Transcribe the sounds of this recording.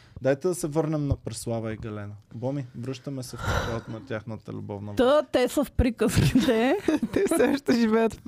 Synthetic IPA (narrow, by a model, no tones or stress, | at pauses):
d̪ajt̪ɛd̪ɐsɛvɤɾnɛmnɐpɾɛslˠavəiɡɐlɛnəbɔmivɾɤʃt̪ɐmɛsɛfpɛt̪ɔt̪nɐt̪ʲaxnət̪ə̰lʲṵbɔvnəd̪ət̪ɛsəfpɾikəski̥t̪ɛt̪ɛsɛʃt̪ɛʒivɛjət̪